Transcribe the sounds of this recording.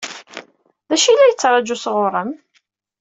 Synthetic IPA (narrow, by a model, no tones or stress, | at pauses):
ðæʃilːæjət͡sːɾˤɑd͡ʒusʁʊɾˤəm